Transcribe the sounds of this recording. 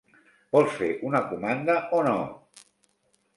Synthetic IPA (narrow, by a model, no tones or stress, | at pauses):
b̥ɔlˠsfeʔunəkumand̪əʔono̰